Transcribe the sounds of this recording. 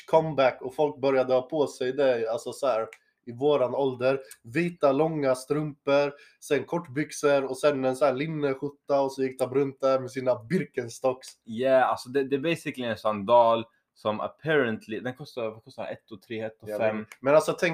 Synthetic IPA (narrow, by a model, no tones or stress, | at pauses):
kʰɔmbækːɔfɔlk̚bœɾjad̪əhɑːpʰɔːsɛjd̪ɛalsɔsɔhæːɾ | ʔɪvoːɾanɔld̪əɾviːt̪alɔŋːast̪ɾɵmpəɾ | sɛnkʰɔʈːbʏksəɾɔsɛnɛnsæːɭɪnːəɧʊt̪ːaɔsɔjɪk̚ːd̪ɛpɔɾɵnt̪̚d̪æɾmɛsiːnabɪɾkənst̪ɔkːsjæalsɔd̪ɛd̪ɛbeɪsɪklɪɛnsɔnd̪ɑːl | sɔmə̰pʰɛɾənt̪ʰlɪd̪ɛnkʰɔst̪avakʰɔst̪a̰ɾɛ̰t̪ːɔt̪ʰɾeːhɛt̪ːɔɛmɛnalsɔt̪ʰɛŋ